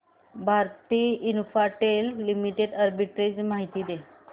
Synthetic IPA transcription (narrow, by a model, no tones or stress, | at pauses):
bʱaɾt̪iːinfaʈelːimiʈeɖəɾbiʈɾed͡zmaɦit̪iːd̪e